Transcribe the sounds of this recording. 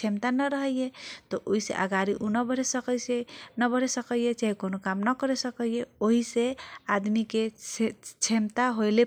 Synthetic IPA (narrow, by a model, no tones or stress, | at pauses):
t͡ʃʰemt̪anəɾəɦəjjet̪ɔʔoɦisḛʔa̰ɡaɾiʔunəbəɾ̤esəkəsenəbəɾ̤esəkəjet͡ʃaɦikonokamnəkəɾesəkəjeoɦisead̪mikeet͡ʃʰemt̪aɦojle